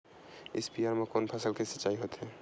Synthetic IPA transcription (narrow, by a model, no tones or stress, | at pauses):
espiaɾmekonpʰasəlkesət͡ʃaiɦot̪ɦe